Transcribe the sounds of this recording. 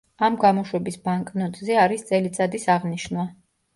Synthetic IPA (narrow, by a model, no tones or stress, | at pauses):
amɡamɔʃwɛbisbaŋkʼnɔt̪ʼzɛaɾist̪sʼɛlit̪sʼad̪isaʁniʃnwa